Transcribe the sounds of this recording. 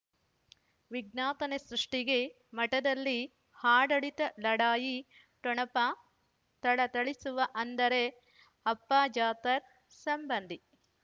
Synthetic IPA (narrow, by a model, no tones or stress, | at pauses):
ʋiɡnaːt̪ɐnesɾuʂʈiɡe̞ | mɐʈɐd̪ɐlːi | haːɖɐɭit̪ɐlɐɽaːji | ʈɔɳɐpɐ | t̪ɐɭɐt̪ɐɭisuʋɐʔɐnd̪ɐɾe | ɐpːaːd͡ʒaːt̪ɐɾ | sɐmbɐnd̪ʱi